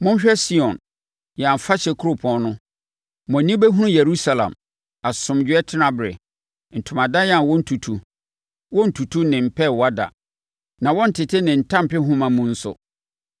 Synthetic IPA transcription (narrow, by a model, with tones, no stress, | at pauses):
mʊ̃˦ɕᶣɛ˦si˦ɔ̃˨n | jɛ˨ã˨fa˦ɕɛ˨kʰʊ˦ɾʊ˦˨pʰɔ̃˦nnʊ̃˦ | mɔ̃˨nĩ˦bɛ˦ɦũ˦ũ˦je˨ɾu˦sa˨lã̰˨m | a˨sʊ̃˨md͡ʑɛ˦tʰɪ˦nã˨bɾɪ̰˨ | n̩˨tʰʊ̃˨mã˨da˦jɛ˦ã˨wɔ̃˦n̩˨tʰu˨tʰu˨ | wɔ̃˦n̩˨tʰu˨tʰu˦nɪ̃˨m̩˨pʰɛ˦wɔ˨˦a˦da̰˨ | nã˨wɔ˦n̩˨tʰɪ˨tʰɪ˦nɪ̃˨n̩˨tʰã˦m˨pɪ˦ɦũ˦mã˨mũ˦n̩˦sʊ̰˨